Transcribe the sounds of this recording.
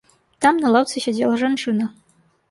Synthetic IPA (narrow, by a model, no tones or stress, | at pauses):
t̪amnɐlˠawt̪sɨsʲad͡zʲelˠɐʐant͡ʂɨnɐ